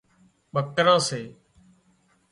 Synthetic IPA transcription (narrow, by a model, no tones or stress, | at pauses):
ɓəkɾãːseː